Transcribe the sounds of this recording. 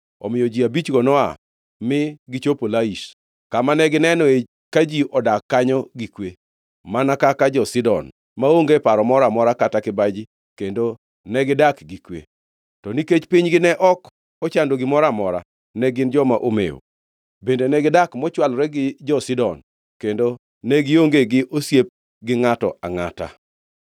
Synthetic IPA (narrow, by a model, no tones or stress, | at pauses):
ɔ̰mɪjɔd͡ʒiabit͡ʃɡɔnɔa̰ | mɪɡɪt͡ʃopolaiʃ | kamanɛɡɪnɛnɔe | kad͡ʒiʔɔdakːaɲɔɡikwe | manakakad͡ʒɔsɪdɔ̰n | maoŋɡepaɾɔmɔɾamɔɾakatakɪbad͡ʒi | kendo | nɛɡɪdakɡikwḛ | tɔniket͡ʃpiɲɡɪnɛʔɔk | ɔt͡ʃandoɡɪmɔɾamɔɾa̰ | nɛɡɪnd͡ʒɔmaʔomḛo̰ | bendenɛɡɪdakmɔt͡ʃwalɾɛɡɪd͡ʒɔsidɔn | kendo | nɛɡɪoŋɡeɡɪʔosjep̚ | ɡɪŋatɔ̰a̰ŋa̰ta̰